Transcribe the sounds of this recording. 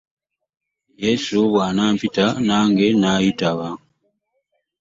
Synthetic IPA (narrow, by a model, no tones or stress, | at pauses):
jesuβwaːnaːmpitanaːŋɡe̞najitaβa